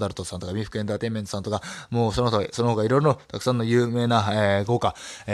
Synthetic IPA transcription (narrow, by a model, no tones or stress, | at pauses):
d̪aɾɯ̟t̪osãnt̪o̞kamʲĩɸɯ̟̥kɯe̞nd̪at̪e̞me̞nt̪osant̪o̞kamoːsonooso̞nooːɡaiɾo̞iɾonot̪akɯ̟̥sãnːo̞jɯ̟ːme̞ːnaeɡo̞ːka